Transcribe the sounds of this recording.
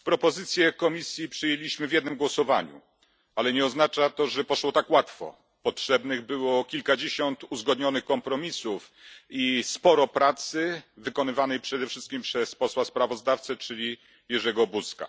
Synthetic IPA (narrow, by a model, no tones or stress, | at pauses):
pɾɔpɔzɘt̪sʲjɛkɔmʲisʲjipʂɘjelʲiɕmɘvʲjɛd̪nɘmɡwɔsɔvaɲṵ | alɛɲɛɔznat͡ʂat̪ɔʐɛpɔʂwɔt̪akwat̪fɔ̰ | pɔtʂɛbnɘɣbɘwɔkʲilkad͡ʑeɕɔnt̪uzɡɔd̪ɲɔnɘxkɔmpɾɔmʲisuf | ispɔɾɔpɾat̪sɘvɘkɔnɘvanɛjpʂɛd̪ɛfʂɘst̪kʲimpʂɛspɔswaspɾavɔzd̪aft̪sɛt͡ʂɘlʲi | jɛʐɛɡɔbuska̰